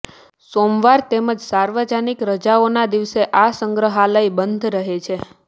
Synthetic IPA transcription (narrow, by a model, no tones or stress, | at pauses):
somʋaɾt̪eməd͡ʒsaɾʋəd͡ʒanikɾəd͡ʒaonad̪iʋseʔasəŋɡɾəɦalaibənd̪ʱɾəɦet͡ʃʰe